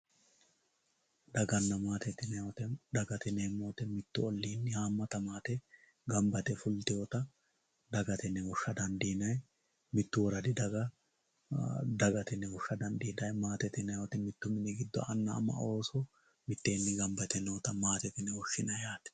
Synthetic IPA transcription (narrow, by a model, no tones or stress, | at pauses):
d̪ɐɡɐnːɐmaːt̪ɛt̪ːɪnɛɔt̪ɛd̪ɐɡɐt̪ɪneːmːoːt̪ɛmɪt̪ːʊɔlːiːnːɪhaːmːɐt̪ɐmaːt̪ɛ | ɡɐmbɐt̪ɛfʊlt̪ɪjot̪ɐ | d̪ɐɡɐt̪ɛnːɛhɔʃːɐd̪ɐnd̪iːnɐj | mɪt̪ːʊwɔɾɐd̪ɪd̪ɐɡɐ | d̪ɐɡɐt̪ɪnːɛhʊʃːɐd̪ɐnd̪iːnɐjmaːt̪ɛt̪ɪnɐjɔt̪ɛmɪt̪ːʊmɪnɛɡɪd̪ːɔ̰ʔɐnːɐ̰ːmːɐ̰o̞ːsɔ | mɪt̪ːeːnːɪɡɐmbɐt̪ɛnɔt̪ɐmaːt̪ɛt̪ɪnːɛɔʃːɪnɐjaːt̪ɛ̥